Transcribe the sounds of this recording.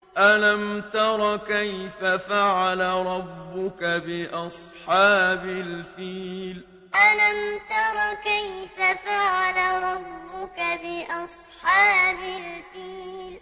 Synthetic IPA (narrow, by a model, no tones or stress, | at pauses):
ʔalamt̪ɑɾˤɑkajfafaʕalaɾˤɑbːʊkabɪʔɑsˤħɑːbɪlfiːl | ʔalamt̪ɑɾˤɑːkajfafaʕalaɾˤɑbːʊkabɪʔɑsˤħɑːbalfiːl